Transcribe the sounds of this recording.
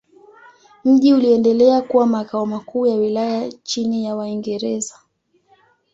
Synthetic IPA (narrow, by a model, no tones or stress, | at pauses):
m̩ʄiuliɛndɛlɛakuwamakaɔmakuːjawilajat͡ʃinijawaiŋɡɛɾɛza